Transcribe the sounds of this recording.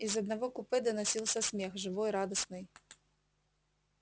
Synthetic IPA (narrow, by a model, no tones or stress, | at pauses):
izɐd̪nɐvɔkupɪd̪ɐnɐsʲilˠsʲɐsʲmʲɛxʐɨvɔjɾad̪ɐsnɨj